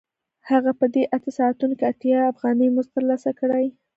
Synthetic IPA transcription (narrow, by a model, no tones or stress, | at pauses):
haɣapəd̪eʔat̪asɑat̪unkeat̪jɑːfɣɑnəjmʊzt̪əɾlɑsakəɽaj